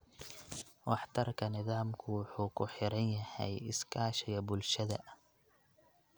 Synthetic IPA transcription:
wɑħt̪ʰɐrkʰɐnɪðaːmkʰʊwʊħuːkʰʊħɪɾɐnjɐhɛ̰jɪskʰaːʃɛjɐbʊlʃɐðɐ̰

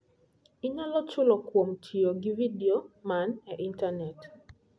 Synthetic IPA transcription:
ɪɲɔlɔt͡ʃʊlɔkwomtʰioɡividiomanɛʔintanɛt

